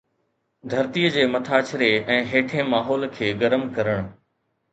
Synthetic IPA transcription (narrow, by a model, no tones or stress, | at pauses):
d̪ʱɐɾt̪ijəd͡ʑeːmɐt̪ʰaːt͡ɕʰɾeɛ̃ːɦeːʈʰẽmaːɦɔːlkʰeːɡɐɾəmkɐɾəɽ̃